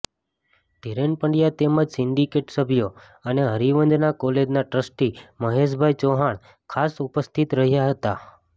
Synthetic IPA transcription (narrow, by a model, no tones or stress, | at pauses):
d̪̥ʱiɾenpəɳɖijat̪eməd͡ʒsɪɳɖikeʈsəbʱjo | əneɦəɾiʋənd̪nakoled͡ʒnaʈɾəsʈiməɦeʃbʱajt͡ʃoɦaɳ | kʰasupəst̪ʰit̪ɾəɦjaɦət̪a